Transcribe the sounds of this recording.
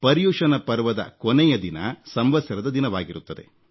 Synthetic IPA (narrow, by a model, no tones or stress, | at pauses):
pɐɾjuːʂɐnɐpɐɾʋɐd̪ɐ̰konɛjɐd̪inɐ̰sɐmʋɐsjɐɾɐd̪ɐd̪inɐʋaːɡiɾut̪ːɐd̪e̞̰